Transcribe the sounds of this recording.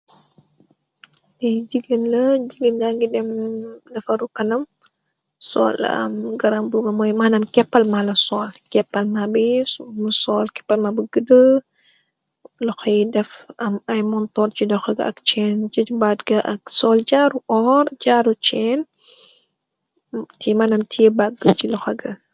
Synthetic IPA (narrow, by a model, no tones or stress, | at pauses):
dɛjd͡ʒiɡənlɐd͡ʒiɡənɡaŋɡidɛmdɐfɐɾukɐnɐm | sɔ̰ːlɐ̰mɡɐɾɐmbuɡɐmɔjmaːnɐmkɛpːɐlmalɐsɔːlkɛpːɐlmabimsɔːlkɛpːɐlmabəɡədə | lɔxɐjdɛfɐmɐjmɔntɔrt͡ʃidɔxɐɡɐ̰ɐ̰kt͡ʃɛːnt͡ʃɐbatɡɐʔɐk̚sɔːld͡ʒaːɾuʔɔːɾɟaːɾut͡ʃɛːn | timanɐmtʰijɛbaɡət͡ʃilɔxɐɡɐ